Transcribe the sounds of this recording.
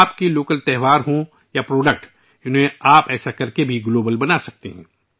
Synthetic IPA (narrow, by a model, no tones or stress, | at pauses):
aːpkiloːkəlt̪ɛɦʋaːɾɦõ | japɾoːɖək̚ʈ | ʊnɦẽaːpɛːsakɐɾkebʱiɡloːbəlbɐnasɐk̚t̪eɦɛ̃ː